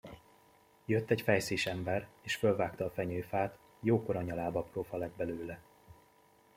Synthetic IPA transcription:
jøt̪ːɛcfɛjsiːʃɛmbɛreːʃfølvaːkt̪ɒːfɛɲøːfaːt̪ | joːko̞ɾɒɲɒlaːbɒproːfɒlɛɡ̚bɛløːlɛ

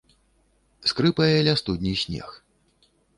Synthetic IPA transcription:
skɾɨpɐjɐlʲast̪ud̪ʲnʲisʲnʲɛ̰x

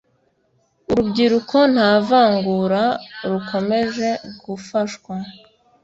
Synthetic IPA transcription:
uɾubɟiɾukʰo̞n̥haːvaːŋɡuɾaɾukʰo̞me̞ʒe̞ɡ̥ufaʃkwa

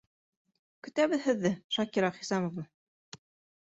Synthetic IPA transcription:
kɵ̆t̪æβɘðɦɘ̆ðːɘʃɑkiɾɑχisɑmŏvnɤ

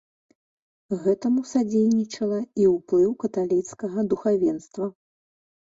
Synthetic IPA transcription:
ɣɛt̪ɐmusad͡zʲejnʲit͡ʂɐlˠɐiwplˠɨwkɐt̪alʲit̪skɐɣɐd̪uxavʲɛnst̪vɐ

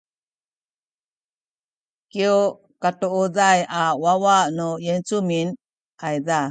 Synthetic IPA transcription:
kiu | katuʔudajawawaʔnujent͡sumin | ʔajda

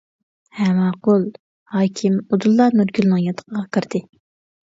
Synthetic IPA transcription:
hɛmɑqʰolˠ | hɑːkʲʰimud̪ulˠːɑnyɾɡʲylˠnɨŋjɑt̪ʰə̥qəʁɑqʰəɾd̪̥ɨ

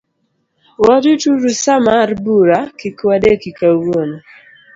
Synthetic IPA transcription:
wɔdutuɾusamaɾbuɾakikwadekikawon

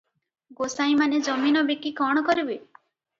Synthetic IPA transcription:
ɡosaĩmaned͡ʒɔminɔbekikɔɽ̃ɔkɔɾibe

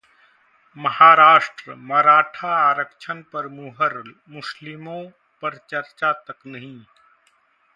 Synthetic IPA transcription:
mɐhaːɾaːʃʈɾəmɐɾaːʈʰaaːɾəkt͡ʃʰənpɐɾmuːɦəɾl | mʊslɪmõ | pɐɾt͡ʃɐɾt͡ʃat̪ɐknɐɦĩ

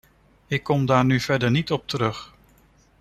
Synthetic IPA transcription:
ɪkːɔmdaːɹnyv̥ɛɹdəɹnitɔp̚təɾɵχ

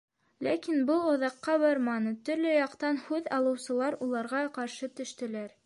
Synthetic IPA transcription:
lækinbɤlˠŏðɑqːɑβɑɾmɑnɤt̪ɵ̆ɾlɵjɑqt̪ɑnhʉðɑlˠɤ̆wsɤ̆lˠɑɾulˠɑɾʁɑqɑɾʃɤt̪ɵ̆ʃt̪ɘ̆læɾ

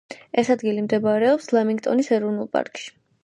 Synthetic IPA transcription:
ɛsad̪ɡilimd̪ɛbaɾɛɔpslˠamiŋɡt̪ʼɔnisɛɾɔvnulˠpʼa̰ɾkʼʃi̥

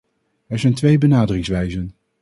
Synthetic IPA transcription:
ɛɹzɛjntʋejbənaːdərɪŋsʋɛjzən

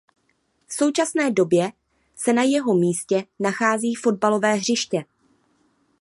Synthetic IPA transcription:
fso̞wt͡ʃasnɛːdo̞bjɛ | sɛnajɛɦo̞miːscɛnaxaːziːfo̞d̚balo̞vɛːɦr̝ɪʃcɛ

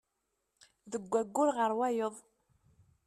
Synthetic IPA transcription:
ðəɡʷːæɡʷːʊɾʁəɾwæjəðˤ

